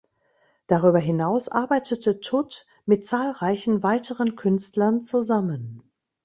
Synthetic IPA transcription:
d̥aʁ̞yːbɐɦɪnaʊsʔa̰ɐbaɪtʰətʰətʰʊt | mɪt̚t͡saːlʁaɪçn̩vaɪtʰəʁənkʰʏnstlɐnt͡suzamən

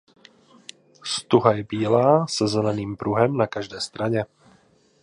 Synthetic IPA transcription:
st̪uɦajɛbiːlaːsɛzɛlɛniːmpɾuɦɛmnakaʒd̪ɛjst̪ɾaɲɛ

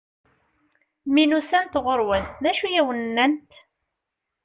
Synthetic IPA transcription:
minusænt̪ʁoɾwənːæʃujæwənːænt̪

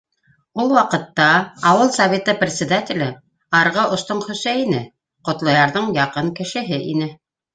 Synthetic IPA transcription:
ulˠwɑqɤ̆t̪ːɑːwɤlˠsɐvʲet̪ɤprʲɪt̪ʲsʲɪd̪atʲɪlɘ | ɑɾʁɤʔŏst̪oɴχɵ̆sæjɘnɘ | qŏt̪lˠɑjɑɾðɤɴjɑqɤɴkɘ̆ʃɘ̆ɦɘʔḭnɘ

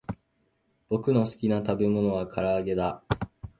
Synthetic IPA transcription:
bo̞kɯ̟no̞sɨ̥kʲinat̪abe̞mo̞no̞β̞akʰaɾaːɡe̞d̪a

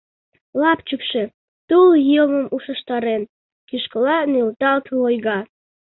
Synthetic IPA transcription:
lɑpt͡ʃəkʃe | t̪uljəməmuʃə̆ʃt̪ɑɾen | kiʃkəlɑnelt̪ɑlt̪lojɣɑ

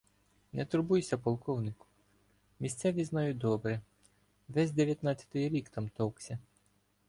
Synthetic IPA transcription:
nɛt̪ʊɾbujsʲɐpɔlˠkɔwnɪkʊ̥ | mʲisʲt̪sɛʋʲiznɑjʊt̚ʲd̪ɔbɾɛ | ʋɛzʲd̪eʋʲjɐt̪nɑt̪t͡sʲːɐ̥t̪ɪjɾʲikt̪ɑmt̪ɔwksʲɐ

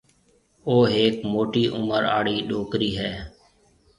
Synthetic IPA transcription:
oːɦeːkmoːʈiːʔʊməɾa̰ːɽiːɗoːkɾiːɦɛː

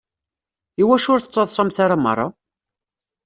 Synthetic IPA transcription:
iwæʃʊɾθə̥t͡sˤːɑðˤsˤɑmθaɾamə̰rˤːɑ

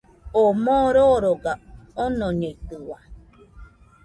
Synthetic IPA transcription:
omõɾoɾoɡaonõɲeit̪ɯwa

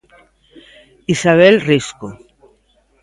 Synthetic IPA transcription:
isaβelrisku

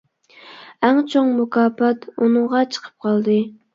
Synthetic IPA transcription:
æŋt͡ʃʰoŋmukɑːpɑt̪unɨŋʁɑt͡ʃʰə̥qʰə̥p̚qʰɑlˠd̪ɨ

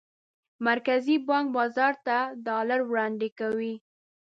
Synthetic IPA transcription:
maɾkazibɑŋk̚bɑzɑɾt̪ad̪ɑlaɾwɽɑnd̪ekawi

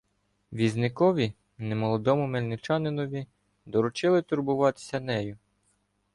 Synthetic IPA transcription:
ʋʲiznɪkɔʋʲi | nemɔlˠɔd̪ɔmʊmelʲnɪt͡ʃɑnɪnɔʋʲi | d̪ɔɾʊt͡ʃɪlˠɪt̪ʊɾbʊʋɑt̪ɪ̥sʲɐnɛjʊ

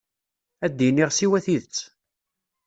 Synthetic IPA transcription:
æd̪ːinːiʁsiwæθiðət͡sː

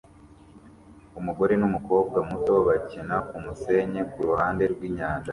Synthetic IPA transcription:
umuɡo̞ɾe̞numuko̞ːb̚ɡamuto̞βacinakumuse̞ɲe̞kuɾuhaːnde̞ɾɡwiːɲaːnʒa

